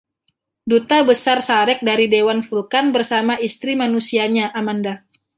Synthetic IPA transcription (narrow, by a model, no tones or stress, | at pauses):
dut̪abəsarsaɾɛk̚daɾidewanfulkanbərsamaʔist̪ɾimanusiaɲaʔamanda